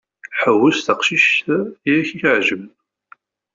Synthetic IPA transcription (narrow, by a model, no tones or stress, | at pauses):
ħəwːəsθəqʃiʃt̪ijæçiçʕʒəm